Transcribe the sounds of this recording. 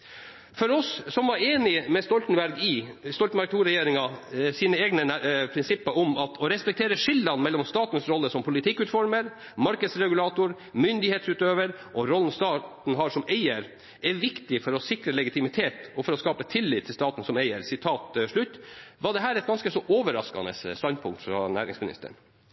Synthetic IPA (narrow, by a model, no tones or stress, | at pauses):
fɔɾɔsːɔmʋɑɾeːnɪmɛst̪ɔlt̪n̩bæɾɡɪst̪ɔlt̪n̩bæɾk̚t̪ʰuːɾɛjeːɾɪŋɑsiːnəeːɡnəpʰɾɪnsɪpːɑʔɔmɑt̪ʰɔɾɛspɛk̚t̪ʰeːɾəʂɪld̪ɑnmɛlːɔmst̪ɑːt̪n̩sɾɔlːəsɔmpʰʊlɪt̪ʰɪkːʉːt̪fɔɾməɾ | mɑɾkəd̪sɾɛɡʉlɑːt̪ʊɾ | mʏnd̪ɪheːt̪sʉːt̪øːʋəɾʔɔɾɔln̩st̪ɑːt̪n̩ɦɑʂɔmeɪəɾ | ɛʋɪkt̪ɪfɔɾɔsɪkɾəlɛɡɪt̪ɪmɪt̪ʰeːt̪ɔfɔɾɔskɑːpət̪ʰɪlːɪːt̪ʰːɪlst̪ɑːt̪n̩sɔmæɪəɾsɪt̪ʰɑːt̪ʂɭʉt̪ːʋɑɖ̪ɛɦæːɾɛt̪̚ɡɑnskəsɔʔoːʋəɾɑ̰skɑ̰nə̰sst̪ɑnd̪̚pʰʊŋkt̪fɾɑ̰næ̰ːɾɪ̰ŋsmɪnɪ̰st̪ə̰ɳ